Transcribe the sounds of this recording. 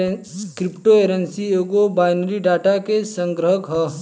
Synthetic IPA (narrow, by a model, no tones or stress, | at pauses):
kɾɪpʈoeːɾensiekobaːjnɾiɖaːʈakesə̃ŋɡɾəɦəkɦɐ